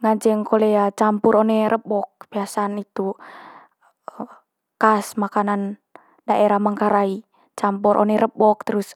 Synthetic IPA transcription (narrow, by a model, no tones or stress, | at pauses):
ŋaɲd͡ʒɛŋkoleat͡ʃampuɾonɛɾəbɔk̚b̥iasanit̪u | kasmakanan | daʔeɾahmaŋkaɾai | t͡ʃampuɾʔo̰nɛɾəbɔk̚t̪əɾus